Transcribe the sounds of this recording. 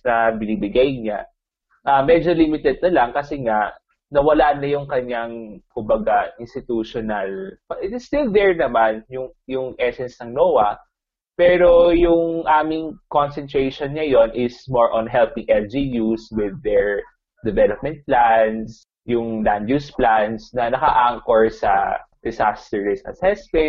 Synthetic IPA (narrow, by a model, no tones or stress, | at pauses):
nɐbɪnibɪɡajɲa | ʔɐmɛd͡ʒolimɪt̪ɛd̪̚nɐlɐŋkɐsɛŋa | nɐwɐlanɐjʊŋkɐɲaŋkʊmbɐɡaʔɪnst̪ɪt̪uʃɔnɐlpɐʔɪt̪ɪst̪ɪld̪ɛɹnɐmanjʊŋ | jʊŋʔɛsɛnsnɐŋnoːwɐ | pɛːɾojʊŋʔaːmɪŋkonsɛnt̪ɹejʃonɲɐjo̞nʔɪsmoɹʔɔnɦɛlpɪŋʔɛld͡ʒijuswɪd̪ːɛɹ | d̪ɛvɛlop̚mɛ̃nt̪̚plans | jʊŋland̪jusplansnɐnɐkɐʔaŋkoɹsɐ̰d̪̥ɪsast̪ɛɹɪsʔɐ̰sɛsmɛ̃nt̪̚